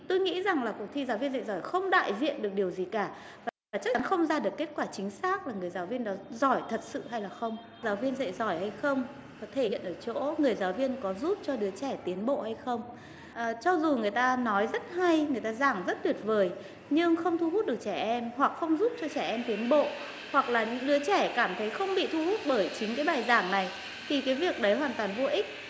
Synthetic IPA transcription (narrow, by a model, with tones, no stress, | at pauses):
t̪o˧jŋḭ˧˥za˨˩ŋlaː˨˩ku˨˩ək̚t̪ʰi˧zaː˨˦wvi˧ənza̰˧˨zɔ˧˩jxə˧wŋ͡mɗa̰ː˧˨jzḭ˧˨ənɗɨ˨˩ək̚ɗi˨˩əwzi˨˩kaː˧˩ | vaː˨˩˨t͡ɕa˦˥˨nxə˧wŋ͡mzaː˧ɗɨ˨˩əkːe˦˥t̚kwaː˧˩t͡ɕï˨˦ŋ̟saː˦˥k̚laː˨˩ŋɨ˨˩əjzaː˨˦wvi˧ənɗɔ˨˦zɔ˧˩jt̪ʰə˨˩t̚sɨ̰˧˨ɦa˧jlaː˨˩xə˧wŋ͡m | zaː˨˦wvi˧ənzə̰˧˨jzɔ˧˩jha˧jxə˧wŋ͡m | kɔ˨˦t̪ʰe˧˩ḭ˧˨ənʔəː˧˩t͡ɕo̰˧˥ŋɨ˨˩əjzaː˨˦wvi˧ənkɔ˨˦zu˦˥p̚t͡ɕɔ˧ɗɨ˨˦ət͡ɕɛ˧˩t̪i˨˦ənɓo̰˧˨ha˧jxə˧wŋ͡m | ʔəː˨˩t͡ɕɔ˧zu˨˩ŋɨ˨˩əjt̪aː˧nɔ˨˦jzə˦˥t̚ha˧jŋɨ˨˩əjt̪aː˧zaː˧˩ŋzə˦˥t̚ɗi˨˩ət̚vəː˨˩j | ɲɨ˧ŋxə˧wŋ͡mt̪ʰu˧ɦu˦˥t̚ɗɨ˨˩ək̚t͡ɕɛ˧˩ʔɛ˧mhwa˨˩k̚xə˧wŋ͡mzu˦˥p̚t͡ɕɔ˧t͡ɕɛ˧˩ʔɛ˧mt̪i˨˦ənɓo̰˧˨ | hwa˨˩k̚laː˨˩ɲɨ̰˧˥ŋɗɨ˨˦ət͡ɕɛ˧˩kaː˧˩mt̪ʰə˨˦jxə˧wŋ͡mɓḭ˧˨t̪ʰu˧hu˦˥t̚ɓəː˧˩jt͡ɕï˨˦ŋ̟kaː˨˦jɓaː˨˩jzaː˧˩ŋna˨˩j | t̪ʰi˨˩kaː˨˦jvi˨˩ək̚ɗə˨˦jhwaː˨˩nt̪waː˨˩nvo˧ʔï˦˥k̚